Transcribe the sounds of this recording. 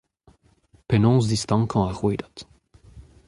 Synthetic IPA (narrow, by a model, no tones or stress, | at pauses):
pɛnɔ̃ːzd̪ist̪ɑ̃kɑ̃aʁweːd̪at̪